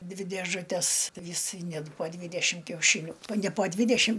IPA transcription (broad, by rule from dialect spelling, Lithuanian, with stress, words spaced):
ˈdʲʋʲɪ dʲeːʒʊˈtʲɛs ˈʋʲɪs ˈnʲɛt poː ˈdʲʋʲiːdʲɛʃʲɪm kʲɛʊˈʃʲiːnʲʊ nʲɛ poː ˈdʲʋʲiːdʲɛʃʲɪm